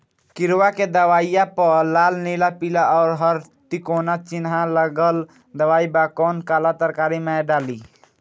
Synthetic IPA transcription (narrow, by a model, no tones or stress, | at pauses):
kɪɾwaked̪əʋaːijapəlaːlnelapilaɔːɾɦəɾt̪ikoːnat͡ʃinɦãləɡəl | d̪əʋaːibakɔːnkaːlat̪əɾkaːɾimẽɖaːli